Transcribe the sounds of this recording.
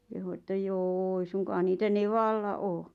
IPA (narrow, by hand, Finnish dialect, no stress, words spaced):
kehu etːæ joː eĭ suŋkɑː niːtæ neʋɑlːɑ ʔoː